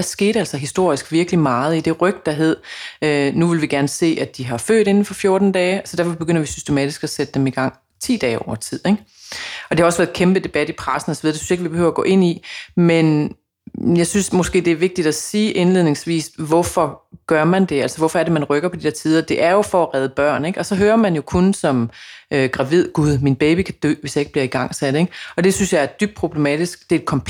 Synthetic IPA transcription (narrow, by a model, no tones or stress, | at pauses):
æɐsɡ̥e̝̰ːɾ̥æl̰sɐɦisd̥o̝ɐ̰isɡ̥ʋiɐɡ̥limɑ̈ːð̞̩ˠid̥e̝ʁœɡ̥d̥ɑ̈ɦe̝ð̞̰ˠønuʋe̝lʋiɡ̥æɐnəse̝̰ːæd̥iɦɑ̈fø̰ːɾe̝nn̩fɒ̽fjo̝ːɐd̥n̩d̥ɛːsɒ̽d̥æɐfɒ̽b̥e̝ɡ̥øn̰ɐʋisysd̥e̝mɛːd̥isɡ̥æsed̥əd̥emiɡ̥ɑ̈ŋ̰ | t͡sʰḭːd̥ɛːɒʊ̰ɐt͡sʰið̰ˠeɡ̥ | ɒde̝hɑ̈ɒ̽sʋæɐðˠkʰemb̥əd̥e̝b̥æd̥ipʰʁɑsn̩ɒsɒʋiðˠdesy̥nse̝ɡ̥ʋibe̝hø̰ʊ̰ɐːɡɔ̰ːʔe̝n̰imen | jɑ̈ɪsynsmɔ̽sɡ̥e̝̰ːd̥e̝æɐʋe̝ɡ̥̚d̥id̥æsiːʔe̝nle̝ð̰ˠne̝ŋsʋḭːsʋɒfɒ̽ɡ̥ɶɐ̰mænd̥e̝ælsɒʋɒfɒ̽æɐɾemænʁœɡ̥ɐpʰɒd̥id̥eɐt͡sʰiːð̞ˠɐd̥e̝ʔæɐjo̝fɒ̽æʁɛð̞ˠəb̥ɶɐ̰neɡ̥ɒ̽sɒ̽ɦøːɐmænjo̝kʰonsɒ̽møɡ̥ʁɑ̈ʋið̞̰ˠɡ̥uð̞ˠminb̥eːb̥ikʰæd̥ø̰ːʋe̝sjɑ̈e̝ɡ̥əb̥liɐiɡ̥ɑ̈ŋ̰sæd̥eɡ̥ɒ̽d̥e̝synsjɑ̈ɪæɐd̥yb̥̚d̥̚pʰʁob̥le̝mɛ̰ːd̥isɡ̥̚d̥eed̥kʰɒ̽mpʰ